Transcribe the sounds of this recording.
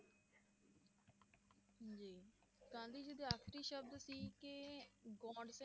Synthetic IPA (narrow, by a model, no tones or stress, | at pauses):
ɦd͡ʒiː | kãːnd̪iːd͡ʒed̪eaːkʰɾiːʃəb̚d̪siːkeɡɔːɖse